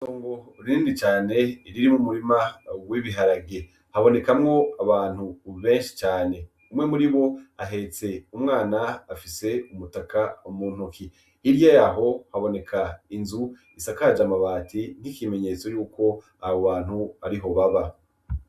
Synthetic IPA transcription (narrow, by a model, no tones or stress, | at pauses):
soːŋɡo̞ɾinit͡ʃaːne̞iɾiɾimumuɾimawiβiɦaɾaɡe | haβo̞ne̞kamŋo̞aβaːn̥huβe̞ːnʃi̥t͡ʃaːne̞ | umŋe̞muɾiβo̞aɦe̞t͡se̞umŋaːnaːfise̞umutakʰaumuːn̥ukʰi | iɾjajaɦo̞haβo̞ne̞kʰainzu | isakad͡ʒamaβaːtʰin̥hikime̞ɲe̞t͡so̞juːkʰo̞ | aβoβaːn̥huaɾiɦo̞βaβa